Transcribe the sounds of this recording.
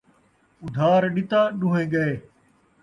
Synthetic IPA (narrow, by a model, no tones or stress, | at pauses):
ʊd̪ʱaːɾɗɪt̪aːɗuːɦẽːɡəeː